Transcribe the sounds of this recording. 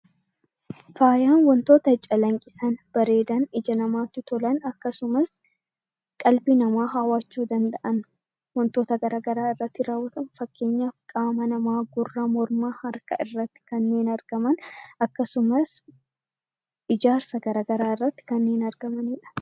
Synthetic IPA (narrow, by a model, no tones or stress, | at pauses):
faːjaːnwɔnt̪o̞ːt̪ɐt͡ʃʼːɐlɐŋkʼɪsɐnb̥ɐɾe̞ːd̪ɐnɪd͡ʒɐnɐmaːt̪ːɪt̪ɔlɐnɐkːɐsʊmɐs | kʼɐlbinɐmaːɦaːwaːt͡ʃːuːd̪ɐnd̪ɐʔɐn | wɔnt̪o̞ːt̪ɐɡɐɾaːɡɐɾaːɪrːɐt̪ːɪɾaːwːɐt̪ɐnfɐkːe̞ːɲːakʼaːmɐnɐmaːɡʊrːɐmɔɾmaːhɐɾkɐʔɪrːɐt̪ːɪ̥kɐnːe̞ːnɐɾɡ̥ɐmɐnɐkːɐsʊmɐs | ɪd͡ʒaːɾsɐɡɐɾaːɡɐɾaːɪrːɐt̪ːɪ̥kɐnːe̞ːnɐɾɡɐmɐnɪᶑɐ̥